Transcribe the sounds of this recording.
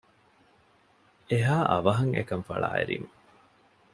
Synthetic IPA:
eɦaːʔɐʋɐɦɐŋḛkɐmfɐɭa̰ːḛɾḭmɐ

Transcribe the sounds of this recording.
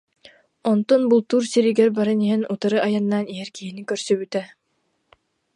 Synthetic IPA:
ɔnt̪ɔnbulˠt̪uːɾsiɾiɡɛɾbaɾɯniɦɛnut̪aɾɯʔajanːaːniɦɛɾkiɦinikœɾsœbyt̪ɛ

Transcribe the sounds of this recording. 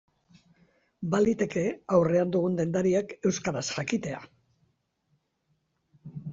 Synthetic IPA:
balit̪e̞ke̞awre̞and̪uɣ̞und̪e̞nd̪aɾiake̞wskaɾasʝakit̪e̞a̰

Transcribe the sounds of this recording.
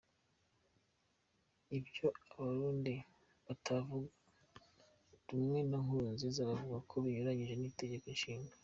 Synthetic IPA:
ibjo̞aβaɾuːndi | βatʰavuɡa | ɾumŋe̞naŋhunzizaɾavuɡakʰo̞βiɲuɾaɲiʒe̞nite̞ɟe̞konʃiːŋɡa

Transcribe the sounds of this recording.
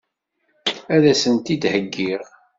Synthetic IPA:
æðæsənt̪id̪həɡːiʁ

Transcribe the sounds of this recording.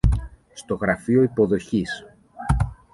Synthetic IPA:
st̪o̞ɣɾɐfio̞ipo̞ðo̞çis

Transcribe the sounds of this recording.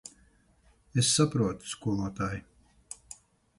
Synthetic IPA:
esːapɾuɔt̪u̥skuɔmuɔt̪aːj

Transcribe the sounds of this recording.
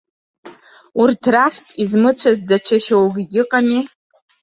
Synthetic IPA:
urdraχʲtʼizmɨt͡ɕʷʰazdat͡ʃʰaχʲowɡʲɡʲɪqʼami

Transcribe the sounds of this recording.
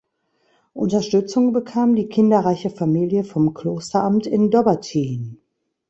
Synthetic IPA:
ʔʊ̰ntɐʃtʏt͡sʊŋbəkʰaːmdiːkʰɪndɐʁaɪçəfamiːljəfɔmkl̥oːstɐʔamtɪndɔbɐtʰiːn

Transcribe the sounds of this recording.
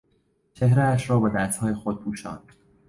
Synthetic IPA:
t͡ʃʰe̞hɾeæʃɾɒːbed̪æst̪hɒːjexod̪̚pʰuːʃɒ̰ːn

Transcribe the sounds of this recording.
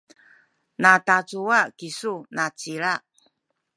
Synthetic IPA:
natat͡suakisunat͡siɾaʔ

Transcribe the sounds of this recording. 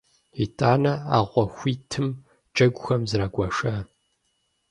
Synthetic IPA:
itʰʼaːnɐa̰ːʁʷɔxʷiːtʰɨm | d͡ʒʼɐɡʷʊxɐmzɾaːɡʷɐʂɐ

